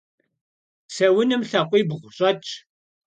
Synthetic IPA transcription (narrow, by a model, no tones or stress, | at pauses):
sɐwənɨmɬɐqʷːibʁʷɕʼɐt͡ʃʼː